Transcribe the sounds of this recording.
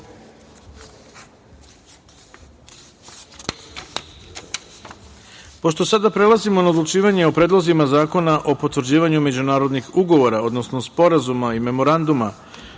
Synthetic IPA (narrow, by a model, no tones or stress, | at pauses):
po̞ʃt̪o̞sad̪apɾe̞lˠazimo̞naod̪lˠut͡ʃiːʋaɲe̞opɾe̞ːd̪lˠozimazaːko̞naʔo̞po̞t̪ʋɾ̩d͡ʑiːʋaɲume̞d͡ʑunaːɾo̞d̪nixuɡo̞ʋo̞ɾao̞d̪no̞sno̞spo̞ɾazumaime̞mo̞ɾand̪uma